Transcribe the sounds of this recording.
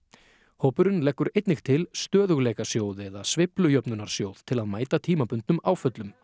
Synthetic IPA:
hoːwpʏɾʏnlɛkːʏɾejt̪nɪxt̪ʰɪlst̪œːðʏɣleːjkasjoːwðɛðasvɪplʏjœpnʏnaɾ̥sjowð̥t̪ʰɪlaðmaːjt̪at̪ʰiːmapʏnt̪nʏmaːwfœt̪lʏm

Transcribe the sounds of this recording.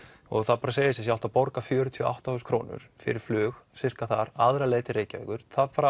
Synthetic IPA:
ɔɣθaðpaɾaseːjɪsɪsjaw̪̥t̪apɔɾkafjœːɾʏt̪ʰiɔa̰wht̪auskʰɾoːnʏ̰ɾ̥fɪ̰ɾɪɾ̥flʏːɣsɪr̥kaθa̰ɾaðɾaleːt̪ɪɾeːjcavḛkʏɾ̥θaðpaɾ

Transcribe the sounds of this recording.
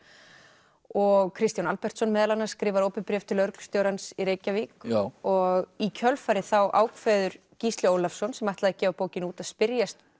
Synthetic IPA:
ɔɣkʰɾɪst̪janalpɛr̥t̪sɔnmɛːðalanaɾ̥skɾɪːvaɾoːwpɪnpɾjɛːft̪ʰɪlœɾkst̪jowɾansiɾeːjcaviːkɔɣicʰœlfaɾɪθawʔa̰ːwkʰvɛːðʏɾ̥ | cist̪lɪoːwlafsɔnsɛmaht̪laðacɛːvapoːwcɪnuːt̪aðspɪɾjast̪

